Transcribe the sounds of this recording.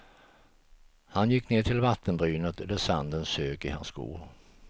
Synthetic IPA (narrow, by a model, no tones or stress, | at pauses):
hanjɪkːneːʈ̪ʰɪlvat̪ʰːənbɾyːnət̪ɛləsand̪ənsøːkɪha̰nsɡṵːɾ